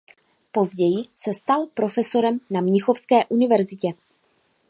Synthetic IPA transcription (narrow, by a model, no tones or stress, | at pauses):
po̞zɟɛjɪsɛst̪alpɾo̞fɛso̞ɾɛmnamɲɪxofskɛːʔunɪvɛɾzɪcɛ